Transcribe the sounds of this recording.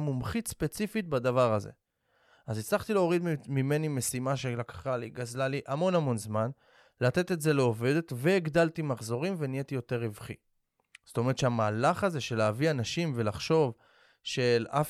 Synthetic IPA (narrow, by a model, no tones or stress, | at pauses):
mumχitspe̞t͡sifit̚bad̪avaʁazḛ | azit͡slaχt̪ileo̞ʁid̪mime̞nime̞simaʃelakḁχaliɡazlaliʔamo̞namo̞nzman | lat̪e̞t̪e̞tze̞leo̞ve̞d̪e̞t̪veiɡd̪alt̪imaχzo̞ʁimvenijet̪ijo̞t̪e̞ʁivχḭ | z̥to̞meʁet̪ʃeamaːlaχaze̞ʃe̞leːvianaʃimve̞laχʃo̞v | ʃe̞laf